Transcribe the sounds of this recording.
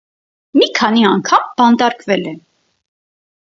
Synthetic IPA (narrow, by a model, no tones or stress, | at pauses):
mikʰɑniɑŋkʰɑmbɑnt̪ɑɾkvɛlɛ